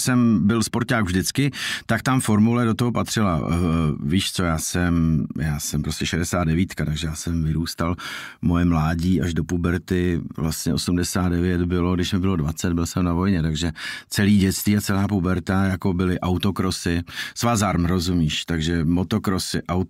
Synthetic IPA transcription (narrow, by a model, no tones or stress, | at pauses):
sɛmbɪlspo̞ɾtaːkvʒdɪt͡skɪt̪akt̪amfo̞ɾmulɛdo̞t̪oɦopat̪r̝̥ɪla̰ | viːʃt͡so̞jaːsɛmjaːsɛmpɾoscɛʃɛdɛsaːd̪dɛviːt̪kat̪aɡʒɛjaːsɛmvɪɾuːst̪al | mo̞jɛmlaːɟiːʔaʒdo̞pubɛɾt̪ɪvlast̪ɲɛo̞sumdɛsaːd̪dɛvjɛd̪bɪlo̞ɡdɪʃmɪbɪlo̞dvat͡sɛt̪bɪlsɛmnavo̞jɲɛt̪aɡʒɛt͡sɛliːɟɛt͡st̪viːat͡sɛlaːpubɛɾt̪ajako̞bɪlɪʔawt̪o̞kɾosɪsvazaɾmɾozumiːʃt̪aɡʒɛmo̞t̪okɾosɪʔaw